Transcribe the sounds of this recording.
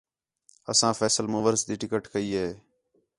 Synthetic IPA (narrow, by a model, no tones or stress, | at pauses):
əsãːfʰɛːsəlmoːʋəɾsd̪iːʈɪkəʈkəiːɦeː